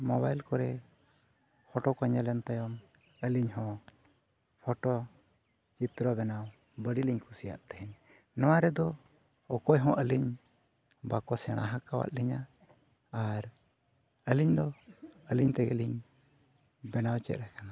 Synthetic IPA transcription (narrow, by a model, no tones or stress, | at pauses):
mɔbajlkɔɾɛ | pʰɔʈɔkɔɲalɛnt̪ajɔm | əliɲɦɔ̃ | pʰɔʈɔ | t͡ʃit̪ɾɔbɛnaw | bəɽiliɲkʰusija̰ʔt̪ɛɦɛn | nɔwaɾɛd̪ɔː | kɔjɦɔ̃ʔəliɲ | bakɔsɛɽ̃a̰ɦakawa̰ʔ̪̚liɲa | aɾ | əliɲd̪ɔəliɲt̪ɛɡɛliɲ | bɛnawt͡ʃɛ̰t̪̚ɾɛkana